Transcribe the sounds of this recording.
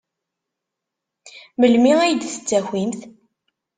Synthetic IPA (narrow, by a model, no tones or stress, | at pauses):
məlmiæjəd̪θə̥t͡sːæximθ